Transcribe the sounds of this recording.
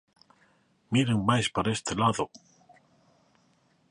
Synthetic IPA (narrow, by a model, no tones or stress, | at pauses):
miɾeŋmajspaɾest̪elaðo